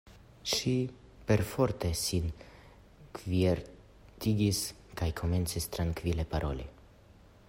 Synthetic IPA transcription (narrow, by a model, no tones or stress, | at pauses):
ʃi | pe̞ɾfo̞ɾt̪e̞sin | kvieɾ | t̪iɡis | kajkʰo̞me̞nt͡sist̪ɾaŋkvile̞paɾʔo̞̰lḭ